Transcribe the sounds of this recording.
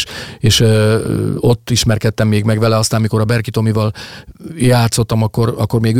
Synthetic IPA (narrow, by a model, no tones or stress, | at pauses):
ʃeːʃ | o̞t̪ːiʃmɛrkɛt̪ːɛmːeːɡmɛɡʋɛlɛɒst̪aːmmiko̞ɾɒbɛrkit̪o̞mivɒl | jaːt̪so̞t̪ːɒmɒkːo̞ɾɒkːo̞rmeːɡ